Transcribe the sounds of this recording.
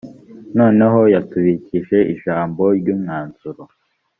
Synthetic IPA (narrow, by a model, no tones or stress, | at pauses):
no̞ːne̞ɦo̞jatuβiciʃe̞ʔiʒaːmbo̞ɾɟuːmŋaːnz̥uɾo